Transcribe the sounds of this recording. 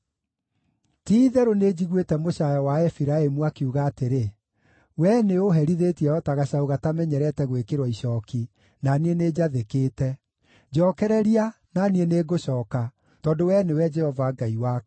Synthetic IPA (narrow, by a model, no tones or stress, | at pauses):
tiːðɛɾoned͡ʑiɣwetɛmoʃajɔwaɛfiɾaemuakiuɣaːteɾe | wɛneoɦɛɾiðetiɛɔtaɣaɕaoɣatamɛɲɛɾɛtɛɣwekeɾwaiɕɔːki | nanieneːd͡ʑaðekeːtɛ | d͡ʑɔːkɛɾɛɾia | nanieneːɡoɕɔːka | tɔːdowɛnewɛd͡ʒɛhɔvaɡaiwa